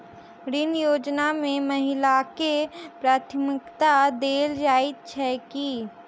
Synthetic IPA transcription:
ɾɪnjoːd͡ʒnamẽməɦɪlakepɾaːt̪ʰmɪkt̪ad̪eːld͡ʒaːɪt̪̚t͡ʃʰɛki

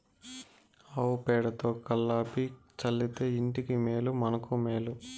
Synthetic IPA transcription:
ɐwpɛːɽɐt̪oːkɐlːaːpit͡ʃɐlːit̪e̞ːiɳʈikimeːlumɐnɐkumeːlu

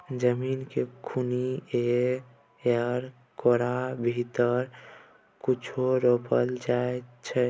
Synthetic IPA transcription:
d͡ʒəminkekʰunie | əɾ | koɾabʱit̪əɾ | kut͡ʃʰoɾopəld͡ʒaet͡ʃʰɛ

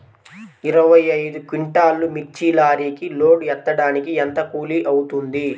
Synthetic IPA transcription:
iɾɐʋɐjɐjd̪ukiɳʈaːlːumik̚t͡ʃiːlaːɾiːkiloːɖɛt̪ːɐɽaːnikient̪ɐkuːliʔɐwut̪und̪i

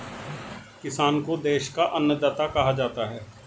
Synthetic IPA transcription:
kɪsaːnkod̪eːʃkaʔɐnːəd̪aːt̪akɐɦad͡ʒaːt̪aɦɛː

